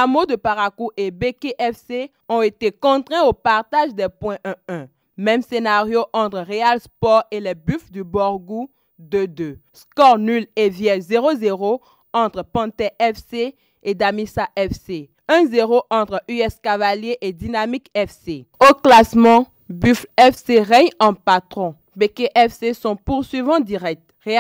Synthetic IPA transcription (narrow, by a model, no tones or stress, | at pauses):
amod̪əpaʁakuʔebekeʔɛfse | ɔ̃et̪ekɔ̃t̪χɛ̃opaʁt̪aʒd̪ɛpwɛ̃ʔɛ̃ɛ̃ | mɛ̃msenaʁjoʔɑ̃t̪χʁealspɔʁelɛbyfd̪ybɔʁɡu | d̪ød̪øskɔʁnylevjɛzeʁozeʁo | ɑ̃t̪χəpɑ̃t̪ɛʔɛfse | ed̪amisaʔɛfse | ɛ̃zeʁoʔɑ̃t̪χyɛskavaljeʔed̪inamikɛfseoklasmɑ̃ | byfɛfseʁɛɲɑ̃pat̪χɔ̃ | bekeʔɛfsesɔ̃puʁsɥivɑ̃d̪iʁɛk̚t̪ʁe